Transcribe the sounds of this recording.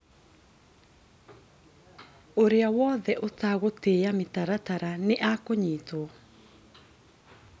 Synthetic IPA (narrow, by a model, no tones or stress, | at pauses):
oɾeawɔðɛʔotaɣotejametaɾataɾaneʔakoɲitoɔ